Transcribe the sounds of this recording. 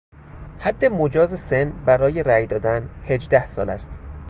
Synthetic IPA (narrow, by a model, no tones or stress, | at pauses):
hæd̪ːemod͡ʒɒːzesenbæɾɒːje̞ɾæjd̪ɒːd̪ænhe̞d͡ʒd̪æhsɒ̰ːlæ̰st̪